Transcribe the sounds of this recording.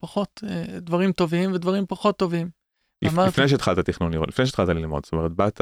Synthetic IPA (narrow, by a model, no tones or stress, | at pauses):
paχo̞t̪ed̪vaʁimt̪o̞vimvedvaʁimpaχo̞t̪ːo̞vim | limaʁfnejʃ̬et̪χat̪at̪iχnunio̰lifne̞ʃet̪χat̪alilmo̰d̪st̪ome̞ʁet̪̚bat̪